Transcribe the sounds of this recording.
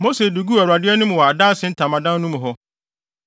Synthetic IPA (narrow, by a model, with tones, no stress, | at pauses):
mo˦se˨du˨ɡu˦a˨ɾa˨dɪ˦ɛ˦nũ˦m̃˨wɔ˨a˨da˦sɪ̃˨˦n̩˦tʰã˨mã˨dã˦n˦nũ˦m̃˨ɦɔ˦